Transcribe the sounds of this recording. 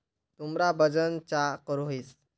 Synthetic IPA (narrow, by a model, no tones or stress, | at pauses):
t̪umɾabəd͡ʑənt͡ɕakəɾoɦis